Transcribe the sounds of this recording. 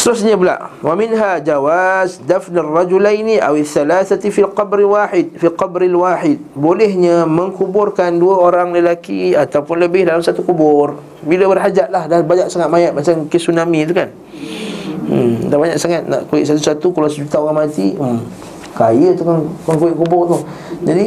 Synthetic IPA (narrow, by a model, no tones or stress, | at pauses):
st̪əɾʊs̬ɲabəla̰ʔwʔamɪnɦad͡ʒawazdafnarːɑd͡ʒulajniʔawiθːalaθafilqɑbɾilwaːħɪd̪̚filqɑbɾalwaħɪd̪̚bolɛɦɲaməŋkubʊrkanduaoɾaŋləlakḭat̪awpʊnləbɪhdalamsat̪ukubʊr | biləbərɦad͡ʒat̪̚lahdabaɲaksaŋat̪̚majat̪̚mat͡ʃamkəsunamĩt̪ukan | dahbaɲa̰k̚saŋat̪̚na̰ʔkuɪ̰ʔsat̪usat̪ukulasəd͡ʒut̪aoɾaŋmat̪i | kajət̪ukankaŋkuɪʔkubʊrt̪u | d͡ʒadi